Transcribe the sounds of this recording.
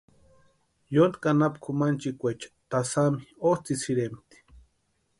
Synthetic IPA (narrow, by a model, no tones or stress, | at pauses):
jont̪kanapkʰumant͡ʃikʷet͡ʃḁt̪asamiost͡s̪isiɾemt̪i̥